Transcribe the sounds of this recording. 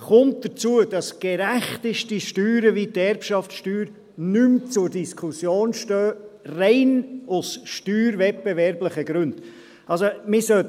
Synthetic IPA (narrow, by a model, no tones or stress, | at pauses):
χʊnt̚d̥ət͡suəd̥ɑsɡ̥eɾæχtɪʃtiʃtyːɾəʋitɛɾpʃɑftʃtyːɾ | nymt͡sʊɾdiskʰusjoːnʃtøːrɛɪnʊsʃtyːɾvɛt̚b̥evɛɾbləχəɡ̥ɾʉnd̥ | ɑlsomɪsœ